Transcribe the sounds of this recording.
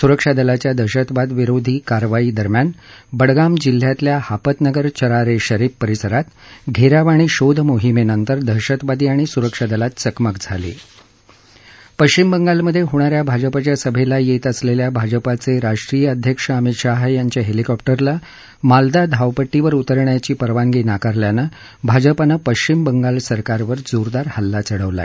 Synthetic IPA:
suɾəkʂad̪əlat͡ɕjad̪ʱəɕət̪bad̪ʋiɾod̪ʱiːkaɾʋaiːd̪əɾmjanbəɽɡamd͡ʑil̤ːjat̪ljahapət̪nəɡəɾt͡ɕəɾaɾeɕəɾipːəɾisəɾat̪ɡʱeɾaʋaɽ̃iɕod̪ʱmoɦimenənt̪əɾd̪ʱəɾɕət̪ʋad̪iːaɽ̃isuɾəkʂad̪əlat̪t͡səkməkd͡zʱa̰lḛ | pəɕt͡ɕimbəŋɡalməd̪ʱːjeɦoɽ̃aɾjabʱad͡ʑəpat͡ɕjasəbʱelajet̪əsleljabʱad͡ʑəpat͡seɾaʂʈɾijəəd̪ʱjəkʂəəmit̪ʂaɦajaɲt͡ɕaɦelikɔp̚ʈəɾla | mald̪ad̪ʱaʋpəʈːiʋəɾut̪əɾɳjat͡ɕiːpəɾʋaŋɡiːnakaɾljana | bʱad͡ʑəpanapəɕt͡ɕimbəŋɡalsəɾkaɾʋəɾd͡zoɾd̪aɾhəlːat͡səɽəʋla̰

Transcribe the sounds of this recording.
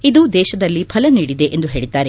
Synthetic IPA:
id̪ud̪ɛːʃɐd̪ɐlːipʰɐlɐniːɽid̪e̞ʔend̪uɦe̞ːɭit̪ːaːɾe̞

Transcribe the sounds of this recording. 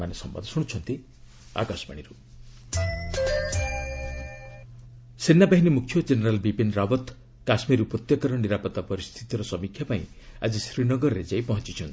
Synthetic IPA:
anesɔ̰mba̰d̪ʱɔsuɽ̃ut͡ʃʰɔnt̪i | a̰kasɔba̰ɽ̃iɾu | senːabaɦinimukʰjɔd͡ʒeneɾalbipenɾabɔt̪ | kasmiɾupɾot̪jekɔɾɔniɾapɔt̪ːapɔɾist̪ʰit̪iɾɔsɔmikʰjapaĩ | a̰d͡ʒisɾinɔɡɔɾɔɾed͡ʒajpɔɦɔnt͡ʃit͡ʃʰɔnt̪i̥

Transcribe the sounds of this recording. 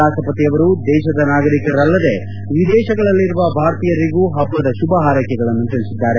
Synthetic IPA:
aːʃɐpɐt̪iɐʋɐɾud̪ɛːʃɐd̪ɐnaːɡɐɾikɐɾɐɾɐlːɐd̪e̞ | ʋid̪ɛːʃɐɡɐɭɐlːiɾuʋɐbʱaːɾt̪ijɐɾiɡuːɦɐbːɐd̪ɐʃubɐɦaːɾɐkɛɡɐɭɐnːut̪ɐɭisid̪ːaːɾe̞

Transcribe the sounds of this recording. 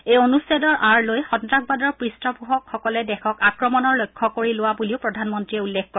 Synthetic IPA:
ejonusɛdɔɹʔaɹlojxɔntɹakbadɔɹpɹistɔbʱuɦɔkxɔkɔlɛdɛxɔkakɹɔmɔnɔɹlojkʰːɔkoɹilʊwabuliʊpɹɔdʱanmɔntɹiɛulːekʰkɔɹɛ

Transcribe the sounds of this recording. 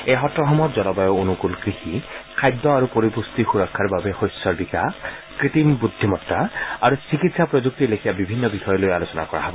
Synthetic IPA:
ejɦɔtɹɔxɔmɔtzɔlɔbajɔonukulkɹixikʰajd̪ːɔaɹupoɹipust̪ixuɹɔkʰːaɹbabɛxojsɔɹbikakɹit̪imbud̪ʱːimɔtːaaɹusikitsapɹozuk̚tilekʰijabibʱinːɔbixɔjɔlojalosɔna̰kɔ̰ɹa̰ɦɔbɔ

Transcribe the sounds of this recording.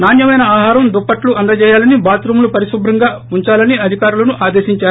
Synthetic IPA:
naːnjɐmɐjnɐaːɦaːɾɐmd̪ɔpːɐʈluʔɐnd̪ɐt͡ʃɛːjaːlɐnibaːt̪ɾumlupɐɾisubʱɾɐŋɡaː | uɲt͡ʃaːlɐniɐd̪ʱikaːɾulɐnuʔaːd̪eːʃiɲt͡ʃaːɾu

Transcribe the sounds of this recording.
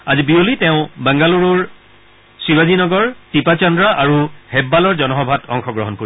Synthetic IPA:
azibiolitɛʊ̃bɛŋɡaluɹuɹ | sibazinɔɡɔɹtipat͡ʃɔndɹaʔaɹuhɛbːalɔɹzɔnɔɦɔbʱatʰɔ̰ŋxɔɡɹɔɦɔnkoɹi

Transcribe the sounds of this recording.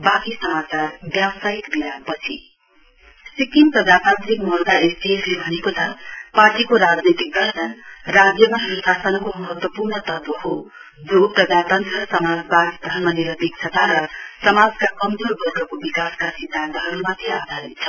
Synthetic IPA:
bakisʌmat͡sarbjawsait̪biɾapʌt͡sʰḭ | sikinprʌd͡zat̪ãnt̪rikmulɡ̪aesbieslebʱʌnekot͡sʰʌparʈikoɾad͡znit̪ik̚d̪ʱʌrnʌnrad͡zjʌmaɦiɾusasʌnʌkomʌɦʌt̪wʌpurnʌt̪ʌt̪ʌɦo | d͡zoprʌd͡zat̪ant̪rʌsʌmad͡zbad̪d̪ʱʌrmʌniɾʌb̪ik̚t͡sʰʌt̪ʰaɾʌsʌmad͡zkakʌmd͡zoɾbʱʌrɡʌkobikaskasid̪ʱːant̪ʌɦʌɾumat̪ʰiad̪ʱaɾit̪t͡sʰʌ̥

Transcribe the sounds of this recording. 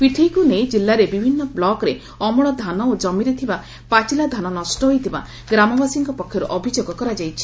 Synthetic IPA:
piʈʰikuned͡ʒilːaɾebibʱinːɔblɔkɾe | ɔmɔɭ̃ɔd̪ʱanɔod͡ʒɔmiɾet̪ʰiba | pat͡ʃilad̪ʱanɔnɔsʈɔɦojt̪ʰiba̰ | ɡɾamɔbasiŋkɔpɔkʰːjɔɾuʔɔbʱid͡ʒoɡɔkɔɾad͡ʒajt͡ʃʰi̥

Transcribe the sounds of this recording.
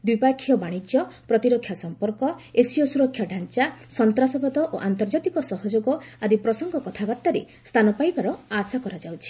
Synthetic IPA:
d̪wipakʰːijɔbaɽ̃id͡ʒjɔpɾɔt̪iɾɔkʰːjasɔmpɔɾkɔesiɔsuɾɔkʰːjaɖʱant͡ʃasɔnt̪ɾasɔbɔd̪ɔʔoʔant̪ɔɾd͡ʒat̪ikɔsɔɦɔd͡ʒoɡɔad̪ipɾɔsɔŋɡɔkɔt̪ʰabaɾt̪aɾe | st̪ʰanɔpajbaɾɔasakɔɾad͡ʒawt͡ʃʰi̥

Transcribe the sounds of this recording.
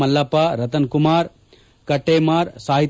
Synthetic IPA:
ɐlːaːpaːɾɐt̪ɐnkumaːɾ | kɐʈːeːmaːɾsaːɦit̪

